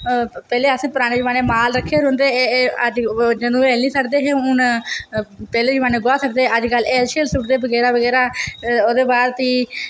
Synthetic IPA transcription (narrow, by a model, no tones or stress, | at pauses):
pɛːleːəsẽːpʊɾaːneːd͡ʒʋaːneːmaːlɾəkʰːeːɾɦʊnd̪eːəd͡ʒd͡ʒənũːeːlniːsəkd̪eːɦeːʊn | pɛːleːd͡ʒʊʋaːneːɡʊaːsəkd̪eːəd͡ʒɡəleːlʃeːlsʊʈd̪eːbəɡɛːɾaːbəɡɛːɾaːoːd̪eːbaːɾt̪iː